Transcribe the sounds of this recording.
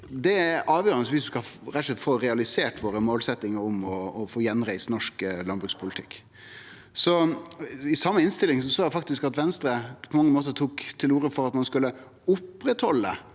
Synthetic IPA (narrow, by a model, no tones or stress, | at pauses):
d̪ɛʔɑːʋjøːɾənəsʋɪsd̪ʉskɑɑɾæɛt̪ʂɛt̪foːɾɛɑlɪseːʈʋoːɾəmoːlsɛt̪ːɪŋəɾʊmɔːfoːjɛnɾæɪsnɔʂklɑnbɾʉkspʰʊlɪt̪ʰɪkː | sɔ | ɪsɑmːəɪnst̪ɪlːɪŋsɔsoːæfɑkt̪ɪskɑt̪ʋɛnst̪ɾəpʰɔmɑŋːəmoːt̪əɾt̪ʰuːkt̪ʰɪluːɾəfɔɾɑt̪mɑnskʉlːə | ʊpːɾɛt̪hɔlːə